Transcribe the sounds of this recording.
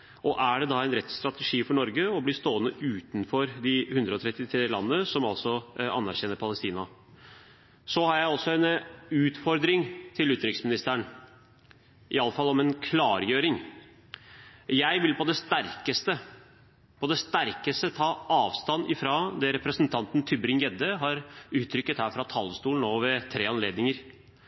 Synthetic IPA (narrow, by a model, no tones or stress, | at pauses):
ɔʔæɖɛd̪ɑæɪnɾɛt̪st̪ɾɑt̪əʂiːfɔɳɔɾɡəɔbliːʂt̪oːənəʔʉːt̪nfɔɾd̪ɪhʉnd̪ɾəɔt̪ʰɾɛt̪ːɪt̪ʰɾeːlɑ̰nːəsɔmɑlsɔɑ̰nːæɾçɛnəɾpʰɑləst̪iːnɑ | sɔhɑɾjæɪɔlsɔɛnʉːt̪fɔɾd̪ɾɪŋt̪ʰɪlʉt̪ɾɪksmɪnɪst̪əəɳ | ʔɪɑləfɑlːɔmɛnkʰlɑːɾjøːɾɪŋ | jæɪʋɪlpʰɔd̪ɛst̪æɾkəst̪ə | pʰɔd̪ɛst̪æɾkəst̪ət̪ʰɑːʔɑːʋst̪ɑnɪfɾɑd̪ɛɾɛpɾəsənt̪ʰɑnt̪n̩t̪ʰʏbɾɪŋjɛd̪əɦɑɾʉːt̪ʰɾʏkːət̪hæːɾfɾɑt̪ʰɑlːst̪uːln̩oːʋɛt̪ʰɾeːɑnleːd̪nɪŋəɾ